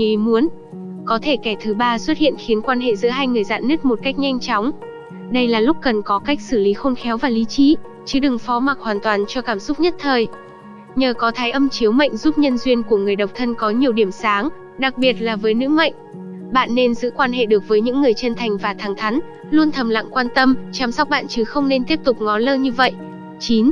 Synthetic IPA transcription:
i˨mu˨˦ən | kɔ˨˦t̪ʰe˧˩kɛ˧˩t̪ʰɨ˨˦ɓaː˧swə˦˥t̚hḭ˧˨ənxi˨˦nkwaː˧nɦḛ˧˨zɨ̰˧˥əɦaː˧jŋɨ˨˩əjza̰ː˧˨nːɨ˦˥k̚mo˨˩t̚ka˦˥jk̚ɲa˧jŋ̟t͡ɕɔ˨˦wŋ͡m | ɗə˧jlaː˨˩lʊ˦˥k͡p̚kə˨˩nkɔ˨˦ka˦˥jk̟̚sɨ˧˩li˨˦xo˧nxɛ˨˦wvaː˨˩li˨˦t͡ɕḭ˧˥ | t͡ɕɨ˨˦ɗɨ˨˩ŋfɔ˨˦ma˨˩k̚hwaː˨˩nt̪waː˨˩nt͡ɕɔ˧kaː˧˩msʊ˦˥k͡p̚ɲə˦˥t̚t̪ʰəː˨˩j | ɲəː˨˩kɔ˨˦t̪ʰaː˨˦jʔə˧mt͡ɕi˨˦əwma̰˧˨jŋ̟zu˦˥p̚ɲə˧nzwi˧ənku˧˩əŋɨ˨˩əjɗə˨˩k͡p̚t̪ʰə˧nkɔ˨˦ɲi˨˩əwɗi˧˩əmsaː˨˦ŋ | ɗa˨˩k̚ɓi˨˩ət̚laː˨˩vəː˨˦jnɨ̰˧˥ma̰˧˨jŋ̟ | ɓa̰ː˧˨nːe˧nzɨ̰˧˥kwaː˧nɦḛ˧˨ɗɨ˨˩ək̚vəː˨˦jɲɨ̰˧˥ŋːɨ˨˩əjt͡ɕə˧nt̪ʰa˨˩jŋ̟vaː˨˩t̪ʰaː˨˩ŋt̪ʰa˨˦ŋ̟ | lu˧ənt̪ʰə˨˩mla̰˧˨ŋkwaː˧nt̪ə˧mt͡ɕa˨˩˦msa˦˥k͡p̚ɓa̰ː˧˨nt͡ɕɨ˨˦xə˧wŋ͡mne˧nt̪i˦˥əp̚t̪ʊ˨˩k͡p̚ŋɔ˨˦nləː˧ɲɨ˧və̰˧˨jʔ | t͡ɕi˨˦n

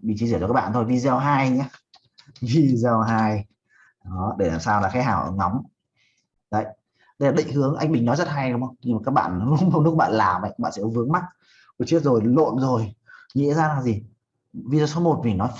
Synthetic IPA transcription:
ɓḭ˧˨t͡ɕi˨˧˦zi˧˩t͡ɕɔ˧kːɓa̰ː˧˨t̪o˧jvi˨˩zɛ˨˩wɦaː˧jɲaː˧˦ | vi˨˧˩zə˨˩wɦaː˧j | ɗɔ˨˦ɗe˧˩laː˨˩msaː˧wlaː˨˩xaː˨˦jɦaː˧˩wʔə̰ː˧˩ŋɔ˨˦wŋ͡m | zə̰˧˨j | ɗə˧jlaː˨˩ɗï˧˨ŋ̟hɨ˨˦əŋʔa˧ŋ̟ɓï˨˩ŋ̟nɔ˨˦jzə˦˥t̚ɦa˧jɗwŋ͡mə˧wŋ͡mɲɨ˧maː˨˩kaː˦˥k̚ɓa̰ː˧˨n˨˦lŋ͡mə˧wŋ͡mnu˦˥k̚ɓa̰ː˧˨laː˨˩mʔa̰˨˧˨jka˦˥ɓa̰ː˧˨sɛ̰˧˥kɔ˨˦vɨ˨˦əŋma˦˥t̚ | ku˧˨˩t͡ɕi˦˥ət̚zo˨˩jlo̰˧˨nzo˨˩jŋḭ˧˥zaː˧laː˨˩zi˨˩ | vi˧zaː˧˩so˨˦mo˨˩t̚vi˨˩nɔ˨˦j

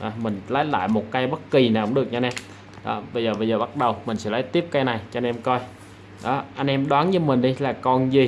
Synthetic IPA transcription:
ʔaː˨˩mï˨˩ŋ̟ləː˨˦jla̰ː˧˨jmo˨˩t̚kaː˧jɓə˦˥t̚ki˨˩naː˨˩kʊ˧˥ŋ͡mɨ˨˩ək̚a˧nʔɛ˧m | ɗɔ̰˨˦ɓə˧jzəː˨˩ɓə˧jzəː˨˩ɓa˦˥t̚ɗə˨˩wmï˨˩ŋ̟sɛ̰˧˥ləː˨˦jt̪i˦˥əp̚ka˧jna˨˩jt͡ɕɔ˧nʔɛ˧mkɔ˧j | ɗɔ˨˦ʔa˧jŋ̟ʔɛ˧mɗwaː˨˦nɲɨ˧mï˨˩ŋ̟ɗi˧laː˨˩kɔ˧nzi˨˩

